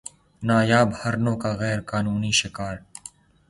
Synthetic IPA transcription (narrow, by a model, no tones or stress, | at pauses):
naːjaːbhɐɾnõːkaɣɛːɾkaːnuːniʃɪkaːɾ